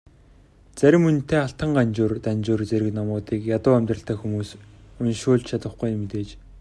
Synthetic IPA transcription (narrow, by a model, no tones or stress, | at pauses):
t͡sæɾʲɪ̆mːɵnt̪ʰeːaɬt̪ə̆ŋɢant͡ɕoːrt̪ant͡ɕʊːrt͡seɾʲɘ̆knɔmʊːt̪iːkjat̪ʊːæmt̪rə̆ɬt̪ʰæːxumuːsʊnʃʊːɮt͡ɕt͡ɕʰat̪ə̆χɡujmːet̪eːt͡ɕ